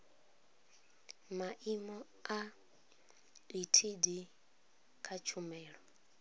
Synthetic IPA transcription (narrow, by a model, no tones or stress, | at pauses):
maʔimɔ | a | litʰidi | kʰat͡ʃʰumɛːɺɔ